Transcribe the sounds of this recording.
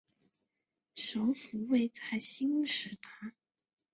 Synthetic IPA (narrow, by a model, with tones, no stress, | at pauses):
ʂo˧˥ʊfu˧˥we˥˧ɪt͡sʰa˥˩ɪɕi˥ŋʂɻ̩˨˩t̪ʰa˥